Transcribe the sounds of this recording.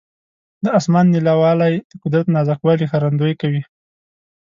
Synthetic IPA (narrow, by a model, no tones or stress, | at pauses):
d̪əɑsmɑnːilawɑlajd̪̥əqʊd̪ɾat̪nɑzaxwɑlixaɾand̪ojkawi